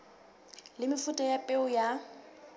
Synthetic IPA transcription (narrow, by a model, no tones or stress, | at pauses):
lɪmɪfutʼɔjapʼeʊja